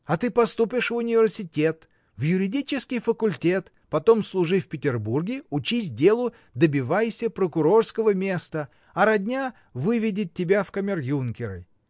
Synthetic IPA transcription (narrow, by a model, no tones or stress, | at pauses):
ɐt̪ɨpɐst̪upʲɪʂvʊnʲɪvʲɪrsʲɪtʲe̞t̪ | vjʊɾʲɪdʲit͡ɕɪskʲɪjfəkʊlʲtʲe̞t̪ | pɐt̪o̞mslˠʊʐɨfʲpʲɪtʲɪrburɡʲɪʊt͡ɕisʲdʲe̞lˠʊ | d̪əbʲɪvajsʲəpɾəkʊɾo̞rskəvəmʲe̞st̪ə | ɐɾɐdʲnʲa | vɨvʲɪdʲɪt̪̚ʲːɪbʲafkɐmʲɪrjunkʲɪɾə̰